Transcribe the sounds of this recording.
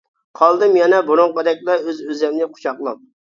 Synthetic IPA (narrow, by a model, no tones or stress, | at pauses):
qʰɑlˠd̪ɨmjɛnɛbʊɾʊŋqɑd̪ɛk̚ʲlɛøzøzɛmnɪqʰʊ̥t͡ʃʰɑqlˠɑm